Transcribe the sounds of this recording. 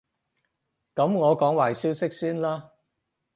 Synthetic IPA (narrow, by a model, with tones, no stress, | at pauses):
kɐ˨˥mŋɔː˨˧kɔː˨˥ŋwaː˨˩jsiː˥wsɪ˥k̚siː˥nlaː˥